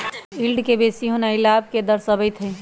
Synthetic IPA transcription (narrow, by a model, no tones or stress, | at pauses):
ilɖkebesiɦonəɪlab̚ked̪əɾsəbəɪt̪ɦə